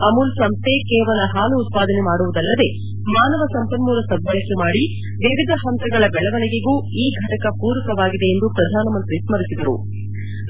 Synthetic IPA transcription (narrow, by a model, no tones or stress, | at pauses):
ɐmulsɐmst̪e̞kɛːʋɐlɐɦaːluːt̪̚paːd̪ɐnemaːɽuʋud̪ɐlːɐd̪e̞ | maːnɐʋɐsɐmpɐnmuːɾɐsɐɡ̪̚bɐɭɐkːemaːɽi | ʋiʋid̪ʱɐɦɐnt̪ɐɡɐɭɐbɛɭɐʋɐnɛɡeɡuː | iːɡʱɐʈɐkɐpuːɾɐkɐʋaːɡid̪e̞ːnd̪upɾɐd̪ʱaːnɐmɐnt̪ɾismɐɾisid̪ɐɾṵ